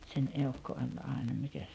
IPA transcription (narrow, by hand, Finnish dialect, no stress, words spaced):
sen eukːo olʲ ɑˑenɑ mikæs